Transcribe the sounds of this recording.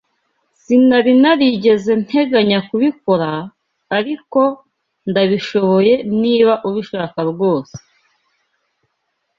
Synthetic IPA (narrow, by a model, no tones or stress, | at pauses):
sinaβinaɾiɟe̞ze̞n̥he̞ɡaɲakuβiko̞ɾaː | ɾiko̞ | ndaβiʃo̞βo̞je̞niːβaʔuβiʃaːkabɡo̞ːse̥